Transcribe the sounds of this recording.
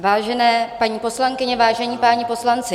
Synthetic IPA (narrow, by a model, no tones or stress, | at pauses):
vaːʒɛnɛːpaɲiːpo̞slaŋkɪɲɛvaːʒɛɲiːpaːɲipo̞slant͡sɪ